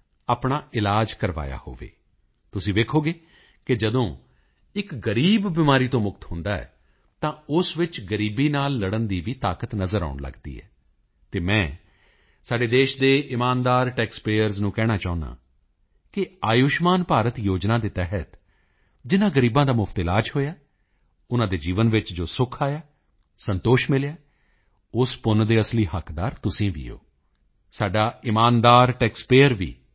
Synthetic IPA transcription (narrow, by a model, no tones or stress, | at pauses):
aːpɳaːʔɪlaːd͡ʒkəɾʋa̰ːja̰ːho̰ːʋḛː | t̪ʊsĩːʋ̪eːkʰoːɡeː | kɪd͡ʒəd̪õː | ɪkɡəɾiːbːɪmaːɾiːt̪õːmʊkt̪hʊ̃nd̪aːɛ̰ː | t̪ãːʊsʋɪt͡ʃɡəɾiːbiːnaːlːəɽənd̪iːʋiːt̪aːkət̪nəzəɾa̰ːʊɳlə̰ɡd̪ḭːɛ̰ː | t̪eːmɛ̃ː | saːɖeːd̪eːʃd̪eːʔɪmaːnd̪aːɾʈɛːkspeːəɾznũːkɛːɽ̃aːt͡ʃaːʊ̃na̰ː | kɪaːjʊʃmaːnpaːɾət̪joːd͡ʒnãːd̪eːt̪ɛɦət̪ | d͡ʒɪnãːɡəɾiːbãːd̪aːmʊfʰt̪ɪlaːd͡ʒɦoːjaː | ʊnãːd̪eːd͡ʒiːʋənʋɪt͡ʃd͡ʒoːsʊkʰaːjaː | sənt̪oːʃmɪljaː | ʊspʊnd̪eːəsliːɦəkd̪aːɾt̪ʊsĩːʋḭːo̰ː | saːɖaːɪmaːnd̪aːɾʈɛːkspeːəɾʋḭː